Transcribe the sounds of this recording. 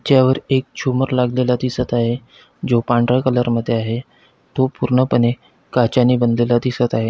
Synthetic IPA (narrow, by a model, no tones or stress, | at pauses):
t̪jaʋəɾek̚t͡ɕʰuməɾlaɡlelat̪iːsət̪aɦe | d͡zopãɳɖɾəkələɾməd̪ʱːjeaɦe | t̪opuɾɳəpəne | kat͡ɕaniːbənd̪lelad̪iːsət̪aɦe